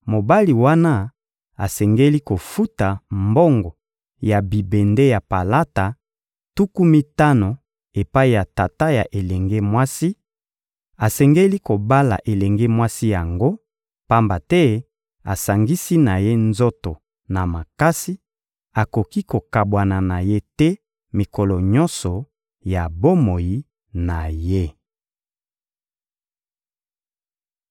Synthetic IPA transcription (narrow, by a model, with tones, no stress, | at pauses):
mo˨ba˦li˨wa˦na˦ | a˨sɛ˨ŋɡe˦li˦ko˨fu˦ta˨mbo˦ŋɡɔ˨ | ja˨bi˨be˨nde˦ja˨pa˨la˦ta˨ | tu˦ku˦mi˦ta˦no˨ | e˨pa˦i˨ja˨ta˨ta˦ja˨ʔe˨lɛ˨ŋɡe˦mwa˦si˦ | a˨sɛ˨ŋɡe˦li˦ko˨ba˦la̰˨ʔe˨lɛ˨ŋɡe˦mwa˦si˦ja˨ŋɡo˦ | pa˦mba˨tɛ˦ | a˨sa˨ŋɡi˦si˦na˨je˦nzo˦to˨ | na˨ma˨ka˦si˦ | a˨ko˨ki˦ko˨ka˨bwa˨na˨na˨je˦tɛ˦ | mi˨ko˨lɔ˨ɲɔ̃˦nsɔ˨ | ja˨bo˦mo˨ji˦ | na˨je˦